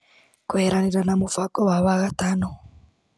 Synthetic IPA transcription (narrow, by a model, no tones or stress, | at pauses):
kuheɾaniɾanamufakɔwaβaɣatano